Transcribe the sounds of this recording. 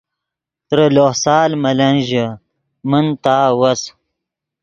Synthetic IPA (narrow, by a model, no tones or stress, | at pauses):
t̪ɾəlohsaːlmɐlɐnʑə | mənt̪aːwɐs